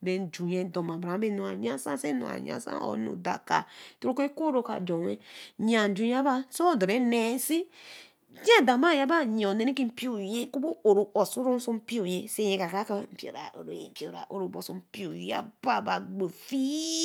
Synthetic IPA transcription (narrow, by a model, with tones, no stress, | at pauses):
be˨n˨d͡ʒu˨je˨do˨mã˨bɾã˨˦be˦nu˨a˨ɲa˦sã˦se˦no̰˨a̰˨ɲa̰˦sã̰˦ɔ̰˦nṵ˨da̰˨ka̰˨to˦ɾo˦ke˦ko˦ɾo˦ka̰˨d͡ʒɔ˨we˦ɲ˦ã˨n̩˨d͡ʒu˨ja˦ba˦so˦o˦do˨ɾe˨˦ne˨˦si˦ | d͡ʒa˦˨da˨ma˦˨ja˦ba˦ɲ˨ɔ˨ne˨ni˦ki˦m̩˨pi˦o˨je˦ku˦bo˦o˨ɾo˨ɔ˨su˦ɾo˦su˦m̩˦pi˦o˨je˨se˦jẽ˨ka˨kɾa˦ka˦˨m̩˨pi˨o̰˨ɾa̰˨o̰˨ɾo˨ḛ˨pi˨o˨ɾa̰˨ʔo˨ɾo˨bo˨su˦m̩˨pi˦o˨˦a̰˦ba˦˨ba˨ɡ͡bo˨fi˦